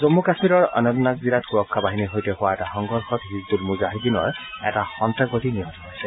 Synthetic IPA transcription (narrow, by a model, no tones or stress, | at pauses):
zomːukasmiɾɔɹɔ̰nɔtnak̚zilatxuɹɔkʰːabaɦiniɦojtɛhʊwaɛtaxɔŋɡɔɹxɔtɦizd̪ulmuzaɦidinɔ̰ɹɛ̰taxɔntaɡotiniɦɔ̃tɔpajsɛ